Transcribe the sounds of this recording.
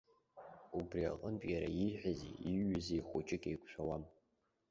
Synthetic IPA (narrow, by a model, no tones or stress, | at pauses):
ubria̰qʼəmpʼjaɾa̰iħʷᶣazḭiɥʏzejχʷʊt͡ʃʼɪkʲʼejkʷʃʷʰawam